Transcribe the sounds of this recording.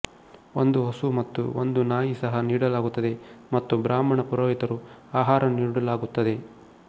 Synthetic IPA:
ond̪uɦosumɐt̪ːuo̰nd̪unaːjisɐɦɐniːɽɐlaːɡut̪ːɐd̪e̞mɐt̪ːubɾaːmɐɳɐpuɾoːjit̪ɐɾuaːɦaːɾɐniːɽɐlaːɡut̪ːɐd̪e̞

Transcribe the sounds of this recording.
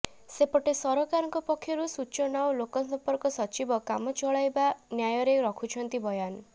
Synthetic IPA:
sepɔʈesɔɾɔkaɾɔŋkɔpɔkʰːjɔɾusut͡ʃɔnawlokɔsɔmpɔɾkɔsɔt͡ʃibɔkamɔt͡ʃɔɭajbanjajɔɾeɾɔkʰut͡ʃʰɔnt̪ibɔjan

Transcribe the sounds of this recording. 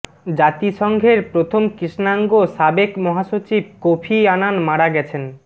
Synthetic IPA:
d͡ʑat̪iʃɔŋɡʱeɾpɾot̪ʰomkɾiʃnaŋɡoʃabekmɔɦaʃot͡ɕib̚kopʰiananmaɽaɡɛt͡ɕʰen

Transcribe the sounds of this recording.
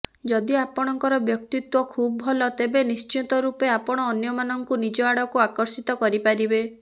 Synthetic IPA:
d͡ʒɔd̪iapɔɽ̃ɔŋkɔɾɔbjɔk̚t̪it̪wɔkʰubɔbʱɔlɔt̪ebenist͡ʃit̪ɔɾupeapɔɽ̃ɔːnjɔmanɔŋkunid͡ʒɔaɽɔkuakɔɾsit̪ɔkɔɾipaɾibe

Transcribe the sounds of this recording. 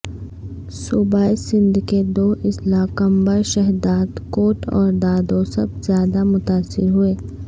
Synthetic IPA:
subaːesɪ̃nd̪ʱked̪oːʔɪslaːkɐ̃mbəɾʃɛɦd̪aːd̪koːʈɔ̰ːɾd̪aːd̪osɐ̰b̚zjaːd̪amʊt̪aːsɪɾɦʊeː

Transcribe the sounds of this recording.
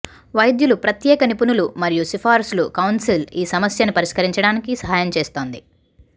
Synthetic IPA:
ʋɐjd̪julupɾɐt̪jɛːkɐnipunulumɐɾijusipʰaːɾslukɐwnsiliːsɐmɐsjɐnupɐɾiʂkɐɾiɲt͡ʃɐɽaːnikisɐɦaːjɐmt͡ʃeːst̪o̞ːnd̪i

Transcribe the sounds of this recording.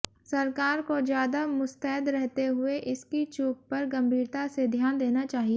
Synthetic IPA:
sɐɾkaːɾkozjaːd̪amʊst̪ɛɦɪd̪ɾɛɦt̪eɦʊeʔɪskit͡ʃuːp̚pɐɾɡɐ̃mbʱiːɾt̪ased̪ʱjaːnd̪eːnat͡ʃaːɦie

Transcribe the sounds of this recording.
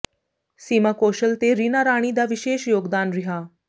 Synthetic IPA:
siːmakoːʃəlt̪eɾinaɾaːɽ̃id̪aʋiʃeːʃjoːɡd̪aːnɾiɦaː

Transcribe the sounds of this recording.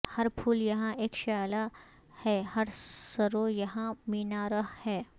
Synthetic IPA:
hɐɾpʰuːljɐɦãʔeːkʃaːla | hɛːhɐɾsɐɾojɐɦãmiːnaɾɐɦhɛː

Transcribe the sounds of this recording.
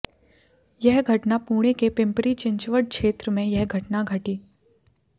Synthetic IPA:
jɛɦɡʱɐʈnapuːɽ̃ekepɪ̃mpɾit͡ʃɪ̃ɲt͡ʃʋəɽ̚kʃeːt̪ɾəmẽjɛɦɡʱɐʈnaɡʱɐʈiː

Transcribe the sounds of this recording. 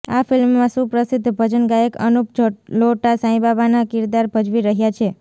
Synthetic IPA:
afɪlmːãsũpɾəsɪd̪ʱbʱəd͡ʒənɡajekə̰nupd͡ʒloʈasãĩbabanakɪɾd̪aɾbʱəd͡ʒʋiɾəɦjat͡ʃʰe

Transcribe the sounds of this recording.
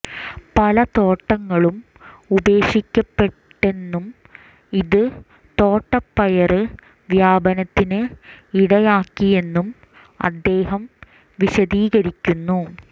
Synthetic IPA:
pɐlɐt̪o̞ːʈːɐŋːɐɭum | ude̞ːɕikʲːɐpːe̞ʈːe̞nːum | iðɨ | t̪o̞ːʈːɐpːɐjɐrɨ | ʋjaːbɐnɐt̪ːinɨiɽɐjaːkːije̞nːum | ɐ̰d̪ːe̞ːɦɐm | ʋiɕɐðiːɣɐɾikʲːunːu

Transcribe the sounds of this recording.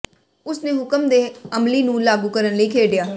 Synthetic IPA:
ʊsnẽːɦʊkəmd̪eːəmliːnũːlaːɡuːkəɾənləiːkʰeːɖɪjaː

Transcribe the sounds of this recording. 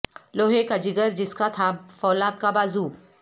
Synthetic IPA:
loːɦeːkad͡ʒɪɡəɾd͡ʒɪskat̪ʰafɔːlaːt̪̚kabaːzuː

